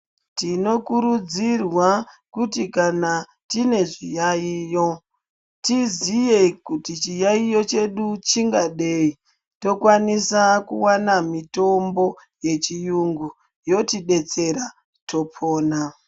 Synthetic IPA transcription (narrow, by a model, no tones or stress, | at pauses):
tino̞kuɾud͡zirwakutikana | tine̞ʐijaiːjo | tizijekutit͡ʃijaijo̞t͡ʃe̞ɗut͡ʃiŋɡaɗe̞i | to̞kwanisakuwanamito̞mbo̞ | je̞t͡ʃijuŋɡu | jo̞tiɗe̞t͡se̞ɾa | tʰo̞pʰoːna